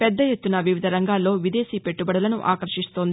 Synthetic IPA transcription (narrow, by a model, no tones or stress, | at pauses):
pɛd̪ːɐjet̪ːunɐʋiʋid̪ʱɐɾɐŋɡaːlːo̞ːʋid̪e̞ːsipe̞ʈːubɐɽɐlɐnuʔa̰ːkɐɾʃist̪o̞ːnd̪